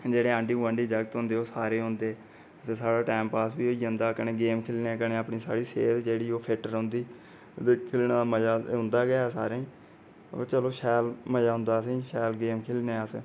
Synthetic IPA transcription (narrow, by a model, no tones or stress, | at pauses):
d͡ʒeːɽeːãːɳɖiːə̃ɳɖiːd͡ʒəɡt̪ɦʊ̃nd̪eːoːsaːɾeːɦʊ̃nd̪eː | t̪eːsaːɽaːʈɛːmpaːsbiːoːĩːnd̪aːkəneːɡeːmkʰɪlneːkəneːəpɳiːsa̰ːɽiːseːt̪d͡ʒeːɽiːoːpʰɪʈəɾõːnd̪iː | d̪ekʰɪlɳaːd̪aməd͡ʒaːɦʊ̃nd̪aːɡasa̰ːɾẽːĩː | t͡ʃəloːʃɛːlməd͡ʒaːɦʊ̃nd̪aːsẽːʃɛːlɡeːmkʰɪlneːəsː